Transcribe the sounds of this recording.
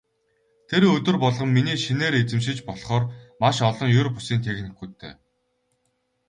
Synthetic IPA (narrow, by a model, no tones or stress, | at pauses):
t̪ʰeɾɵt̪ɵ̆rpɔɮʁɞ̆mːiniːʃineːɾet͡sɘ̆mʃ̬ɪ̆t͡ɕpɔɮχɔːrmaʃɔɮɞ̆ŋjʊrpʊ̥siːnt̪ʰexnɘ̆xɡujt̪ʰḛː